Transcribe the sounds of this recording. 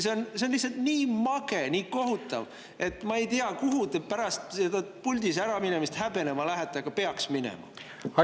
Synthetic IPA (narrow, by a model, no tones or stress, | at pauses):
seonseonlihsɑlt̪niːmɑɡe̞niːko̞ɦut̪ːˑɑ̰v | e̞t̪ːˑmɑe̞jt̪iɑkuɦut̪epæɾɑst̪sed̪ɑpulʲd̪̥isæɾɑmine̞mist̪hæbe̞ne̞mɑlæɦæt̪ːˑeɑɡ̥ɑpe̞ɑksminḛmɑ̰ | ɑ